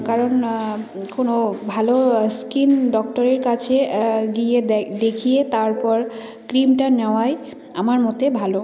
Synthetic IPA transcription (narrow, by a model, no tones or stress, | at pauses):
kaɹɔn | konobʱaloskinɖɔk̚ʈɔɾeɾkat͡ɕʰeɡijed̪ekʰijet̪aɹpɔɹ | kɾimʈanɛwaj | amaɹmɔt̪ebʱalo